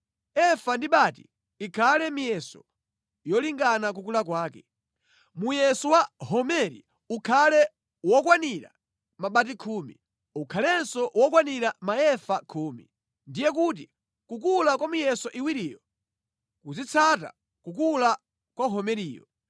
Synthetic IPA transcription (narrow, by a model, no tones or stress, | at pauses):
ɛfandiɓatḭ | ikʰalɛmijɛsɔ̰ | jɔliŋɡanak̬ukulak̬waːkɛ | mujɛsɔwahɔmɛɾḭ | ukʰalɛ | wɔkwaniɾa̰ | maɓat̬ikʰuːmḭ | ukʰalɛnsɔwɔk̬waniɾamaɛfakʰuːmḭ | ndijɛk̬ut̬i | kukulakwamijɛsɔʔiwiɾiːjɔ | kuzit͡sʰata̰ | kukula | kwaɦɔmɛɾiːjɔ̰